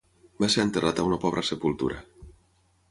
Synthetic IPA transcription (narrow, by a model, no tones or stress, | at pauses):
baseɾənt̪ərat̪aunəpɔβ̞ɾəsepulˠt̪ṵɾa̰